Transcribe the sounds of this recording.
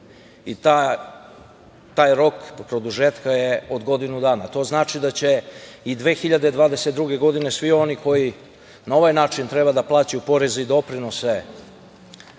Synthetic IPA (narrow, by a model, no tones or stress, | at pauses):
it̪a | t̪aːjɾo̞kpɾo̞d̪uʒeːt̪kajeo̞d̪ɡo̞d̪inud̪aːnat̪o̞ːznaːt͡ʃid̪at͡ɕe̞id̪ʋe̞ːxiʎad̪ed̪ʋaːd̪e̞set̪̚d̪ɾuɡe̞ɡo̞d̪ine̞sʋio̞niko̞ji | naoʋajnaːt͡ʃint̪ɾe̞bad̪aplˠaːt͡ɕajupo̞ɾe̞zeid̪o̞pɾino̞se